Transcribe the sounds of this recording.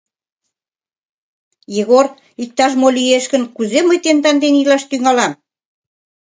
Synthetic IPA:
jeɣor | ik̚t̪ɑʃmolieʃkə̆nkuzeməjt̪ent̪ɑnd̪enilɑʃt̪yŋɑlɑm

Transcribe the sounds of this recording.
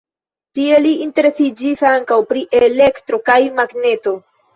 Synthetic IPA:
tie̞liinte̞ɾe̞sid͡ʒisaŋkawpɾiʔele̞ktɾo̞kajmaɡne̞to̞

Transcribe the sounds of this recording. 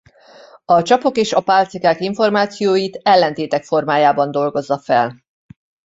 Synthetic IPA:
ɒt͡ʃɒpo̞keːʃɒpaːlt̪sikaːkiɱfo̞rmaːt̪sijoːjit̪ɛlːɛnt̪eːt̪ɛkfo̞rmaːjaːbɒnd̪o̞lɡo̞zːɒfɛ̰l

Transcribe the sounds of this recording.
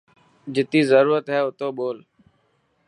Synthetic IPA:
d͡ʒɪt̪iːzəɾuːɾət̪ɦɛːʊt̪oːɓoːl

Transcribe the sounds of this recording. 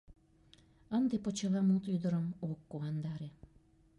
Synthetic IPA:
ənd̪epot͡ɕelɑmut̪yd̪əɾəmokːuɑnd̪ɑɾe

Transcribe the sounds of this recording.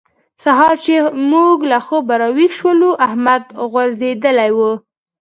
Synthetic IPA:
saɦɑɾt͡ʃemuɡlaxobaɾɑwikʃwəluʔahmad̪ɣwaɾzed̪əlajwu

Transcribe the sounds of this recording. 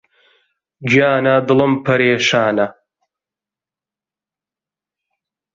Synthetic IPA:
d͡ʒjaːnad̪ɨlɐmpʰɐɾeːʃaːnɐ

